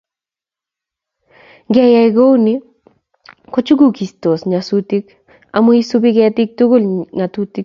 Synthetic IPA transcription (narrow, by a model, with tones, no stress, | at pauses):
ɡɛ˦ja˨ɪɡo˦wni˦ | ko˦t͡ʃu˦ɡu˦˨ki˨sto˨sɲa˨su˦ti˦k | a̰˨mo˦i˦su˦bi˦ɡɛ˦tɪ˦k̚tu˦ɡo˦lŋa˨tu˦ti˦k